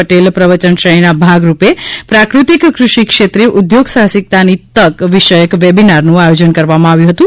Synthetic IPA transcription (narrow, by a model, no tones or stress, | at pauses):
əʈelpɾəʋət͡ʃənʃəjnabʱaɡɾupepɾakɾut̪ikːɾʊʃikʃet̪ɾeʔud̪joɡsaɦsik̚t̪anit̪əkʋiʃəjəkʋebinaɾnũajod͡ʒənkəɾʋamãaʋjũɦət̪ũ